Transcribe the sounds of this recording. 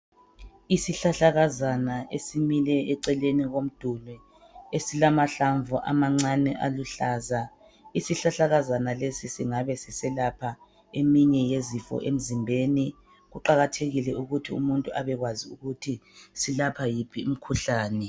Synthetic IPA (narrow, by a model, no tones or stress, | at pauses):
isiɬaɬaɣazanaesimilɛɛǀɛleniɣom̩d̥ʱulwɛ | esilamaɬaɱvuʔa̰maŋ͡ǀanɛʔaluɬaːza | isiɬaɬaɣazanalesisiŋaβɛsisɛlapʰa | emiɲɛjezifɔ̰ʔem̩zimbʱeːni | ɣuǃaɣatʰeɣilɛuɣutʰiṵmuntʼuaβɛɣwaziuɣutʰisilapʰajipʰium̩kʰuɬaːnɛ